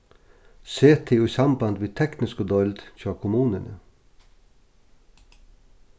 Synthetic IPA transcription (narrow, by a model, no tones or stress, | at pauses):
seːt̪ʰeːuiːsɑmbɑnd̪ʋeːt̪ʰɛknɪskod̪ɔld̪̥çɑːkʰʊmʉːnənə